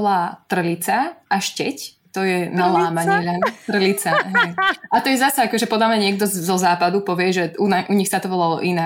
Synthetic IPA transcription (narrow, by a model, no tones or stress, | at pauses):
laːt̪r̩ʎit͡saʔaʃcɛc | t̪ɔjɛnalaːmaɲɪɛlat̪r̩ʎit͡saɦɛjat̪ɔjɛzasɛakɔʒɛpɔd̪amɲaɲɪɛkd̪ɔzɔzaːpad̪upɔʋɪɛʒɛʔunaʔuɲixsat̪ɔʋɔlalɔ̰ʔina